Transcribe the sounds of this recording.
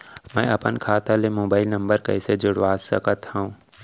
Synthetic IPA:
mɛ̃ːɐpənkʰaːt̪alemoːbaːɪlnɐ̃mbəɾkɐɪsed͡ʒʊɽʋaːsəkət̪hoũː

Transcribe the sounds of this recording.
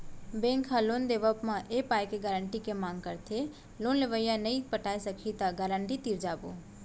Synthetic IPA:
bẽːŋkʰɦalond̪eːʋəpmãʔepaːjkeɡəɾəɳʈikemãːŋɡkəɾt̪ʰe | loːnleʋəjãnəipəʈaːisəkʰit̪aɡəɾəɳʈit̪iɾd͡ʒaːbo̰

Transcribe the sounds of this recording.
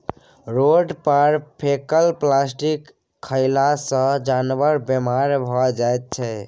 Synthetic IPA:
ɾoɖpəɾpʰekəlplasʈikʰː | əɪlasə̃d͡ʒanʋəɾbemaɾbʱɔd͡ʒajt̪̚t͡ʃʰɛ

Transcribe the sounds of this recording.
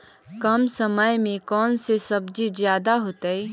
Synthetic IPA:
kɐmsəməjmẽkɔːnsesɐbd͡ʒizjaːd̪aɦoːt̪eɛː

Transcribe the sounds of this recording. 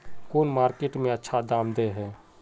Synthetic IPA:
koːnmaːɾkeʈmẽɐtːʃʰad̪aːmd̪eɦɛː

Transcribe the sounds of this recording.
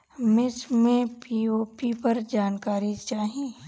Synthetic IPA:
mɪsmẽpioːpipɐɾd͡ʒaːnkaːɾit͡ʃaːɦe

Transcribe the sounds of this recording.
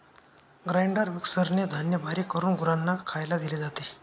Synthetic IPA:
ɡɾaiɳɖəɾʋiksəɾned̪ʱanjəbʱaɾikəɾuːnɡuɾanːakʰajlad̪iled͡zat̪e

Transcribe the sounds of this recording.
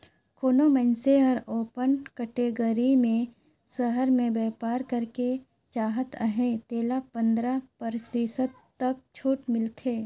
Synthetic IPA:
kʰoːnomə̃nseɔːɾoːpənkəʈeɡəɾimẽ | səɦəɾmẽbɛːpaːɾkəɾke | t͡ʃaːɦət̪ʰəɦẽt̪eːlapə̃nd̪ɾapəɾsiːsət̪ː | ɐk̚t͡ʃʰuːʈmɪlt̪ʰeː

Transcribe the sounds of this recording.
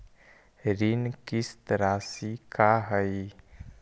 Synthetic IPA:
ɾinkist̪ɾasikaɦəj

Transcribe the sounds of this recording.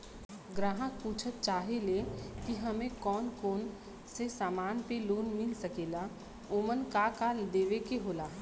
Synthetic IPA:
ɡɾaːɦãpuːt͡ʃʰət̪̚t͡ʃaːɦelekiɦɐmẽkɔːnkoːn | sesaːmaːnpeloːnmɪlsəkeːla | omənkaːkaːld̪eːʋekeɦoːlaː

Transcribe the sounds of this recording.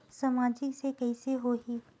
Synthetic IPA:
samaːd͡ʒɪksekɛiseɦoɦiː

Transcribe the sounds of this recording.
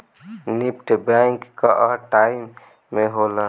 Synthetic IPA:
nip̚ʈbaŋkkaʔəʈaimː | eɦola

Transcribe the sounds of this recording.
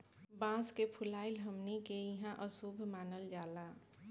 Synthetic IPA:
bãːskepʰʊlaːɪlɦɐmnikejɐɦãʔəsubʱmaːnəld͡ʒaːlaː

